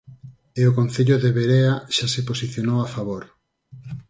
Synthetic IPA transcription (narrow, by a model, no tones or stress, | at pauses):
eokõn̟θeʎoðeβeɾeaʃaseposiθjonowafaβoɾ